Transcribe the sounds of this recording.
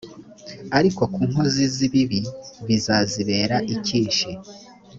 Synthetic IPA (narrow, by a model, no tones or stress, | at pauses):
aɾiko̞kuːŋ̥hoziziβiβiβizaziβe̞ːɾaʔiciːnʃi